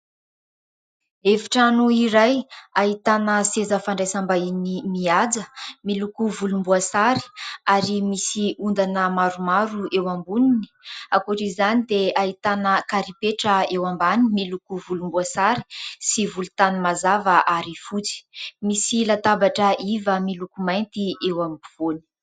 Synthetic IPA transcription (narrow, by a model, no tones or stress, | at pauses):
efi̥ʈ͡ʂanuiɾajaɦit̪anəsezəfaɳɖ͡ʐasambainimiad͡zəmilukuvulumbuasaɾi̥aɾimisiund̪anəmaɾumaɾuewambunini̥akuɾizanid̪eait̪anəkaɾipeʈ͡ʂəewambanimilukuvulumbuasaɾi̥sivulu̥t̪animazavaʔaɾifut͡si̥misilat̪abaʈ͡ʂəʔivəmilukumajnt̪iewambv̥oni̥